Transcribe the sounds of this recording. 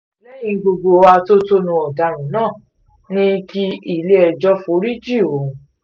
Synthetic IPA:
lɛ˦j̃ĩ˧ɡ͡bo˧ɡ͡bo˧wa˧to˦to˦nũ˧ɔ˨da˨ɾ̃ũ˨˦nãː˦˨ | nĩ˦ki˧i˨le˦ɛ˧d͡ʒɔ˦fuo˨˦ɾi˦d͡ʒi˦˨o˨˦

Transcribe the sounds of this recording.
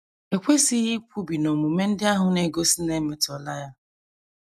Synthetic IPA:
e˨kʷe˦si˦ɣi˦k̚ʷu˦bi˨no˨mu˨me˦n̩˦dɪ˦a˦ɦʊ˨ne˨ɡo˦si˦ne˦me˨tɔ˨la˦ja˦

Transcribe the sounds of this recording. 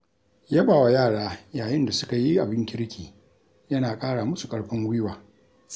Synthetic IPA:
ja˦baː˨wa˨jaː˦˨ɽaː˦jaː˨jɪ˦nda˨sʊ˦ka˨ji˦ʔa˨bɪ˦ŋkʲɪ˦kʲiː˨ | jɐ˦naː˨kʼaː˦ɽaː˨mʊ˦su˨kʼɐ˦ɽɸɪ˦ŋwɪ˦waː˨

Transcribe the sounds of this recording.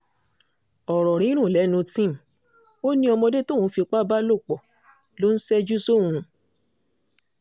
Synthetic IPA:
ɔ˨ɾɔ˨ɾ̃ĩ˨˦ɾ̃ũ˦˨lɛ˨˦nũ˧tĩ˦˨m̩˨ | o˦nĩ˧˦ɔ˧mɔ̃˧de˦to˦˨ũ˨˦fi˧k͡pa˦ba˦lo˦˨k͡pɔ˨ | lo˦n̩˦sɛ˦d͡ʒu˦so˦˨ũ˨˧

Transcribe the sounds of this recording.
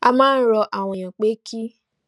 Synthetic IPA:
a˧mãː˦n̩˦ɾɔ˧ʔa˨w̃ɔ̃˨j̃ã˨k͡pe˦kʰi˦

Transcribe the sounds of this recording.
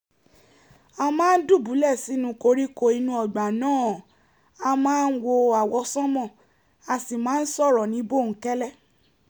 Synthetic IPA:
a˧mãː˦n̩˦du˦˨bu˨˦lɛ˦˨si˨˦nũ˧˦ko˧ɾi˦ko˧i˧nũ˧˦ɔ˧˨ɡ͡ba˨nãː˦˨ | a˧mãː˦n̩˦wo˧a˨wɔ˧sɔ̃˦mɔ̃˦˨ | a˨si˨mãː˨˦n̩˦sɔ˦˨ɾɔ˨nĩ˨˦bo˦˨ŋ̩˨˦kɛ˦lɛ˦˨

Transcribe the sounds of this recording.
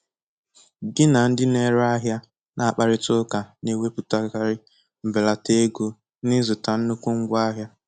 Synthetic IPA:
ɡɪ˦na˨n̩˦dɪ˦ne˦ɾa˦ɦja˦ | nʔa˨a˨k͡pa˨ɾɪ˦tʊ˦ka˨ne˦we˦pu˨ta˦ka˦ɾɪ˦ | m̩˨be˨la˨te˦ɡo˦ | nɪ˦zʊ˨ta˨n̩˦nʊ˦kʷʊ˦ŋ̩˦ɡʷa˦ɦja˦

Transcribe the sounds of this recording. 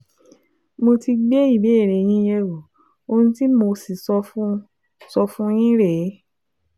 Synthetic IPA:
mo˧ti˧ɡ͡be˦i˦˨be˨˦e˦˨ɾe˨j̃ĩ˧˦jɛ˧wo˨ | o˧nũ˧ti˦mo˧si˨sɔ˧˦ | sɔ˧fũ˦j̃ĩ˦ɾɛ˨˦

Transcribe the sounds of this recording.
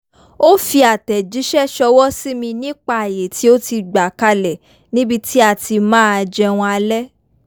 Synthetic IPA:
o˦fi˧a˨tɛ˨d͡ʒi˨˦ʃɛ˦ʃɔ˧wɔ˦si˦mĩ˧nĩ˦k͡pa˧˦a˨je˨ti˨˦o˦ti˧ɡ͡ba˨ka˧lɛ˨ | nĩ˦bi˧ti˦a˧˨ti˧mãː˦a˧d͡ʒɛ˧w̃ɔ̃˧a˧lɛ˦

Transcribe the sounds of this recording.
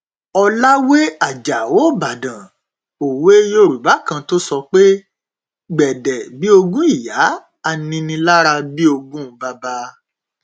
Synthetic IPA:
ɔ˧la˦we˦a˦˨d͡ʒa˨wo˦˨ba˨dã˨ | o˨we˦jo˧˨ɾu˨ba˨˦kã˧to˦sɔ˧k͡pe˦ | ɡ͡bɛ˨dɛ˨bi˦o˧ɡũ˦i˦˨ja˨˦ | a˧nĩ˧nĩ˧la˦ɾa˧bi˦o˧ɡũ˦˧ba˧ba˦

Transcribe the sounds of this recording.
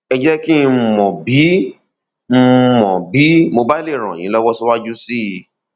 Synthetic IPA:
ɛ˧d͡ʒɛ˦ki˦˧˦mɔ̃˨bi˨˦ | m̩˦mɔ̃˨bi˨˦mo˧ba˦i˦le˦˨ɾ̃ã̰˨j̃ĩ˨˦lɔ˦wɔ˦si˦wa˦d͡ʒu˦si˦ji˧

